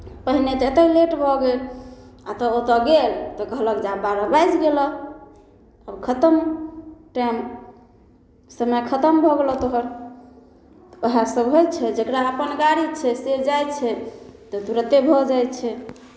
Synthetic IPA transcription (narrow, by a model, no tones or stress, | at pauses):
pəɦinet̪et̪əleʈbʱɔɡelat̪ɔot̪ɔɡelt̪ɔɡʱələkd͡ʒabaɾɔbajd͡ʒɡelɔ | əbkʰət̪əmʈajm | səməkʰət̪əmbʱɔɡelɔt̪oɦəɾ | əɦasəbɦojt͡ʃʰɛd͡ʒəkɾaəpənɡaɾit͡ʃʰɛsed͡ʒajt͡ʃʰɛt̪ɔd̪uɾət̪ebʱɔd͡ʒajt̪t͡ʃʰɛ